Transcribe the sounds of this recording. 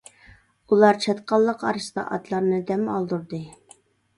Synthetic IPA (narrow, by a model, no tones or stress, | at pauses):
ulˠɑɾt͡ʃʰɑt̪qɑlˠːəqɑɾɨst̪ɑ̰ʔɑ̰t̪lˠɑɾnɨd̪ɛmɑlˠd̪uɾd̪ɨ